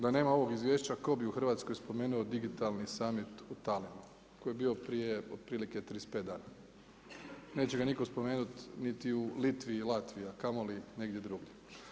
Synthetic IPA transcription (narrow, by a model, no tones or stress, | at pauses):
d̪ane̞ːmao̞ʋo̞ɡizʋje̞ːʃt͡ɕako̞biuxɾr̩ʋaːt̪sko̞jspo̞meːnuod̪iɡit̪alnisaːmit̪ut̪alimu | ko̞jebio̞pɾijeod̪̚pɾiːlike̞t̪ɾispet̪d̪a̰ːna | ne̞ːt͡ɕeɡaniko̞spo̞me̞ːnut̪nit̪iulit̪ʋiːlˠat̪ʋijakamo̞line̞ɡd̪jed̪ɾuɡʎe